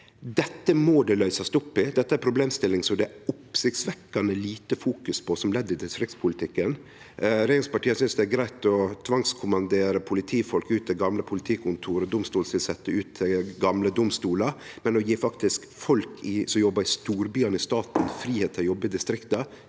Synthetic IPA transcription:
d̪ɛt̪ːəmɔd̪ɛlœʏsɑst̪ʊpːɪd̪ɛt̪ːəæɾpʰɾʊbleːmst̪ɪlːɪŋsɔmd̪ɛæʊpsɪkt̪sʋɛkːɑnəliːt̪əfuːkʉspʰɔsɔmlɛd̪ːɪd̪ɪst̪ɾɪkt̪spʰʊlɪt̪ʰɪkːən | ɾeːɪŋspɑʈiːəsʏnsd̪ɛæɾɡɾæɪt̪ɔt̪ʰʋɑŋskʰʊmɑnd̪eːɾəpʰʊlɪt̪ʰiːfɔlkʉːt̪̚d̪ɛɡɑmləpʰʊlɪt̪ʰiːkʰʊnt̪ʰuːɾəd̪ʊmst̪uːlsʋɪlsɛt̪ːəʉːt̪d̪ɛɡɑmləd̪ʊmst̪uːlə | mɛnɔjiːfɑkt̪ɪsk | fɔlkʰɪsɔmjɔbːɑɾɪst̪uːɾbyːɑnəɪst̪ɑːt̪n̩fɾiːheːt̪ʰɪljɔbːəd̪ɪst̪ɾɪkt̪ə

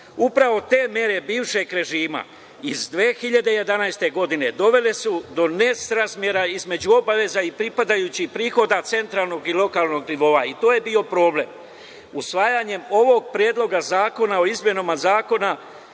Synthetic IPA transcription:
upɾaʋo̞t̪e̞ːmje̞ɾe̞biːʋʃe̞ɡɾe̞ʒiːma̰ | izd̪ʋeːxiʎad̪e̞je̞d̪anajst̪e̞ɡo̞d̪ine̞d̪o̞ʋe̞lesud̪o̞ne̞sɾazmje̞ɾaizme̞d͡ʑuo̞baʋe̞zaipɾipad̪ajut͡ɕipɾiːxo̞d̪at̪se̞nt̪ɾaːlˠno̞ɡilo̞kaːlˠno̞ɡniʋo̞ːait̪oːje̞bio̞pɾo̞ːble̞̰m | usʋaːjaɲe̞mo̞ʋo̞ɡ̚pɾjeːd̪lˠo̞ɡazaːko̞nao̞izmjenomazaːko̞na

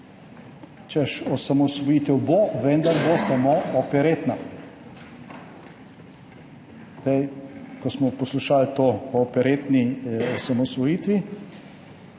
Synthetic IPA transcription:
t͡ʃɛʃɔsamɔsʋɔjiːt̪ɛwboʋɛnd̪aɾbosamoɔpɛɾeːt̪na | d̪ɛjkɔsmɔpɔsluʃalt̪oːɔpɛɾeːt̪niɔsamɔsʋɔjiːt̪ʋi

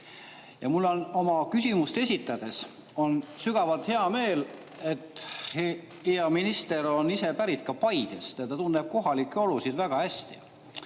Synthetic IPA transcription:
jɑmulːo̞no̞mɑkysʲimust̪e̞sʲit̪ːˑɑd̪̥e̞s | o̞nsyɡ̥ɑvɑlt̪he̞ɑme̞ːl | e̞t̪ːˑe | heɑminist̪e̞ɾo̞nise̞pæɾit̪̚kɑpɑjd̪̥est̪jɑt̪ːɑt̪unːeb̥̚ko̞ɦɑlikːˑeo̞lusid̪̥væɡ̥ɑhæsʲt̪ḭ

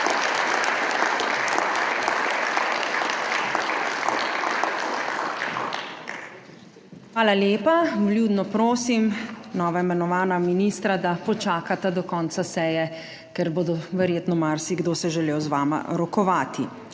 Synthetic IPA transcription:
xʋaːlaljeːpablʲjuːd̪nɔpɾoːsimnɔːʋaimɛnɔʋaːnaminiːst̪ɾad̪apɔt͡ʃaːkat̪ɛd̪ɔkɔnt̪sasɛːjɛ | kɛɾboːd̪ɔʋɛɾjeːt̪nɔmaɾsiɡd̪oːsɛʒɛleːwzʋaːma̰ɾɔkɔʋaːt̪i

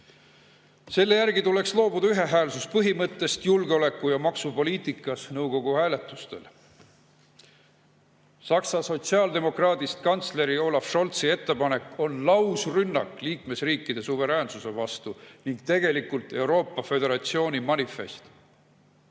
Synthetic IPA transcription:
se̞lːe̞jærɡ̥it̪ule̞kslo̞ːbud̪ɑyɦe̞ɦæːlsuspɤɦimɤt̪ːe̞st̪julɡeo̞le̞kːˑujɑmɑksupo̞liːt̪ˑikːˑɑsnɤwɡ̥o̞ɡ̥uhæːle̞t̪ˑːust̪e̞̰l | sɑksɑso̞t̪siɑːld̪e̞mo̞krɑːt̪ist̪kɑnt̪sle̞ɾio̞ːlɑfʃo̞lt̪sie̞t̪ːe̞pɑne̞kːˑo̞nlɑwsrynːɑ̰kːˑliːkme̞sriːkːˑid̪̥e̞suve̞ɾæːnsuse̞vɑst̪uniŋɡ̥t̪e̞ɡ̥e̞likult̪e̞wɾo̞ːpːˑɑfe̞d̪e̞ɾɑt̪sio̞ːnʲimɑnife̞̰st̪

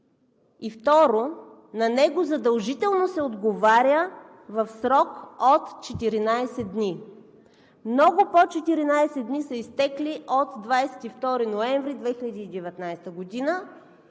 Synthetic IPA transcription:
ift̪ɔɾo | nɐnɛɡozɐd̪ɐlˠʒit̪ɛlˠnosɛod̪ɡovaɾʲjə | vɐfsɾɔkot̪t͡ʃɛt̪iɾinajsɛd̪ni | mnɔɡopot͡ʃɛt̪iɾinajsɛd̪d̪nisəist̪ɛkliʔot̪d̪vajsɛ̥t̪ift̪ɔɾinoɛɱvɾid̪vɛxilʲəd̪iːd̪ɛvɛt̪najst̪əɡod̪inə

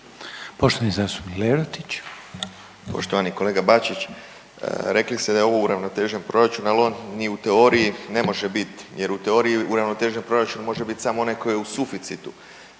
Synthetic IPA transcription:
poʃt̪oʋanizaːst̪u̥bnileɾot̪it͡ʃ | po̞̰ʃt̪o̞ʋaniko̞le̞ːɡabat͡ʃit͡ʃ | ɾe̞klist̪e̞d̪aeo̞ʋouɾaʋnot̪e̞ːʒenpɾo̞ɾat͡ʃunalo̞nniut̪eo̞ɾijine̞mo̞ʒe̞bit̪je̞ɾut̪eo̞ɾijiuɾaʋno̞t̪e̞ːʒenpɾo̞ɾat͡ʃunmo̞ʒe̞bit̪samoo̞neko̞jeusufit̪sit̪u

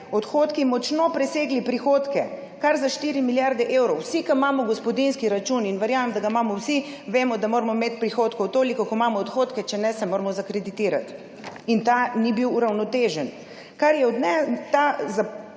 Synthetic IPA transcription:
ɔt̪xoːt̪kimɔt͡ʃnopɾɛseːɡlipɾixoːt̪kɛ | kaɾzaʃt̪iːɾimiljaɾd̪ɛʔeːwɾɔwsikamaːmɔɡɔspɔd̪inskiɾat͡ʃuninʋɛɾjaːʋemd̪aɡamaːmɔwsi | ʋeːmɔd̪amoːɾmɔmeːt̪pɾixoːt̪kɔwt̪oːlikɔkɔmaːmɔːt̪xot̪kɛt͡ʃɛnɛsɛmoːɾmɔzakɾɛd̪it̪iːɾat̪ | int̪anibiwuɾawnɔt̪eːʒən | kaɾjɛɔd̪nɛt̪aza

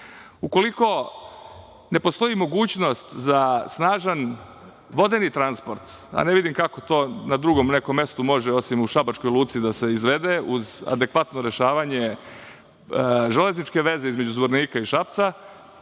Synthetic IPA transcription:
uko̞liko̞ | ne̞po̞st̪o̞imo̞ɡuːt͡ɕno̞st̪zasnaːʒan | ʋo̞d̪enit̪ɾanspo̞ɾt̪a̰neʋid̪imkako̞t̪o̞ːnad̪ɾuɡo̞mne̞komje̞st̪umo̞ʒeo̞simuʃabat͡ʃko̞jlˠuːt̪sid̪ase̞izʋe̞d̪euza̰d̪e̞kʋat̪no̞ɾe̞ʃaːʋaɲe̞ | ʒeleznit͡ʃke̞ʋe̞ze̞izme̞d͡ʑuzbo̞ɾniːkaiʃapt̪sa

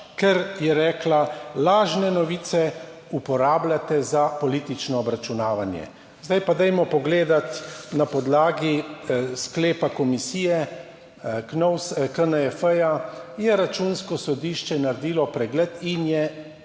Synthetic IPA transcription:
kɛɾjɛɾɛːklalaːʒnɛnɔʋiːt̪sɛ | upɔɾaːblʲat̪ɛzapɔliːt̪it͡ʃnɔːbɾat͡ʃunaːʋanjɛ̰ | zd̪ajpad̪ɛjmɔpɔɡleːd̪at̪napɔd̪laːɡiskleːpakɔmisiːjɛ | knɔwskənəɛfəjajɛɾat͡ʃuːnskɔsɔd̪iːʃt͡ʃɛnaɾd̪iːlɔpɾɛɡlɛːt̪injɛ

